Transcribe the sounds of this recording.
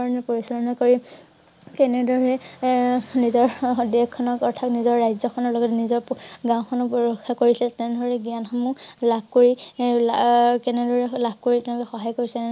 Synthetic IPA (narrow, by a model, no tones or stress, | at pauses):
aɹɔnɛpoɹisɔɹɔnakoɹi | kɛnɛdɔɹɹɛ | nizɔɹdɛkkʰːɔnɔkɔɹtʰaknizɔɹːajzɔkʰɔnɔlɔɡɔtnizɔɹɡãw̃kʰɔnɔpɹɔkʰːakoɹisɛtɛnɛdɔɹɛɡjanxɔmũlab̚ʱkoɹilkɛnɛdɔɹɛlabʱkoɹitɛ̃lɔkɛxɔɦajkoɹisɛ